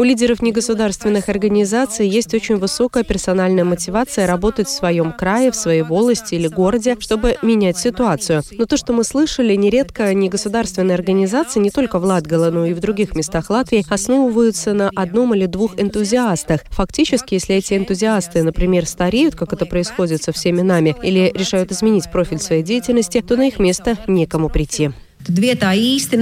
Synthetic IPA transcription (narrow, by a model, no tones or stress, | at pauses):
ʊlʲidʲɪɾəfnʲɪɡəsʊd̪arst̪vʲɪnːɨxɐrɡənʲɪzat̪sɨjjesʲtʲo̞t͡ɕɪnʲvɨso̞kəjəpʲɪrsɐnalʲnəjəmətʲɪvat̪sɨjəɾɐbo̞t̪ətʲfsvɐjo̞mkɾajɪfsvɐjejvoblˠəsʲtʲɪilʲɪɡo̞rədʲɪʂt̪o̞bɨmʲɪnʲætʲsʲɪt̪ʊat̪sɨjʊno̞t̪o̞ʂt̪o̞mɨslˠɨʂəlʲɪnʲɪɾʲet̪kəjənʲɪɡəsʊd̪arst̪vʲɪnːəjɐrɡənʲɪzat̪sɨjnʲɪt̪o̞lʲkəvlˠad̪ɡəlˠəno̞ivd̪ɾʊɡʲixmʲɪst̪axlˠat̪vʲɪjːɐsno̞vəvəjʊt̪sənəʔɐd̪no̞milʲɪd̪vuxɪnt̪ʊzʲɪast̪əxfɐktʲit͡ɕɪskʲɪjesʲlʲɪɛtʲɪɪnt̪ʊzʲɪast̪ɨnəpɾʲɪmʲe̞rst̪ɐɾʲejʊt̪̚kakɛt̪əpɾəɪsxo̞dʲɪt̪sɐfsʲemʲɪnamʲɪḭlʲɪɾʲɪʂajʊt̪ɪzmʲɪnʲitʲpɾo̞fʲɪlʲsvɐjejdʲejɪtʲɪlʲnəsʲtʲɪt̪o̞nɐixmʲe̞st̪ənʲekəmʊpɾʲɪtʲːi | d̪vʲet̪aisʲt̪ʲɪ